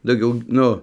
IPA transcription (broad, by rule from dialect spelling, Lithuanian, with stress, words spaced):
dɐʊˈɡʲɛʊ ˈnʊ